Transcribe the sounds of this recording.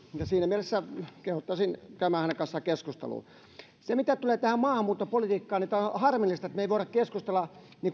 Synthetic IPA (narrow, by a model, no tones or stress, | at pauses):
jɑsiːnæmielesːækehut̪ːɑsinkæymæːhænekɑnsːɑkeskust̪ḛlṵː | semit̪æt̪uleːt̪æhæmmɑːhɑmːuːt̪ːopolit̪iːkːɑːnit̪æhɑrmilːˑist̪ɑet̪meiʋoˑiɾɑkkeskust̪elːɑ | ni